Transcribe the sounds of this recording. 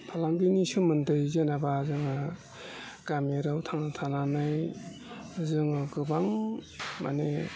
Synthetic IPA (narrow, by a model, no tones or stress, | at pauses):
pʰalaŋbinisumɯndɯjzenabazɯŋa | ɡameɾawtʰaŋnatʰananɯj | azɯŋaɡɯbaŋma̰ne